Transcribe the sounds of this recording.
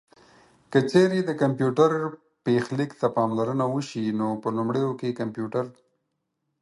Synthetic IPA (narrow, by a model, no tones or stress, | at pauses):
kət͡ʃeɾed̪əkampjuʈaɾ | pexlikt̪apɑmlaɾənawəʃinopəlʊmɽəjokekampjuʈaɾ